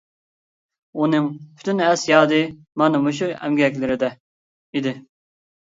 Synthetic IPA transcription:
unɨŋpʰy̥t̪ʰynɛsjɑːd̪ɪ | mɑnɨmuʃ̬uɛ̰mɡʲɛkʲlɪɾɪd̪ɛ | id̪ɪ

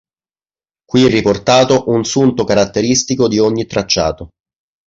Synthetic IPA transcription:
kwiɛrːiport̪aːt̪oʔunsunt̪okaɾat̪ːeɾist̪ikod̪ioɲːit̪ːɾat͡ʃːa̰ːt̪o

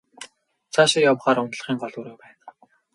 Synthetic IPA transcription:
t͡sʰaʃɪ̆rjawχaːɾʊnt̪̆ɮ̆χiːŋɢɔɮwuːɾuːpæːn

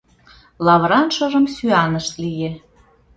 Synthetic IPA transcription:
lɑβɾɑnʃɤ̆ʒə̆msyɑnəʃt̪lije

